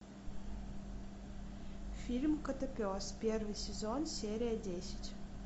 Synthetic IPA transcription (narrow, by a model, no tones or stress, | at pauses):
fʲilʲmkət̪əpʲospʲervɨjsʲɪzonsʲeɾʲɪjədʲesʲɪ̥tʲ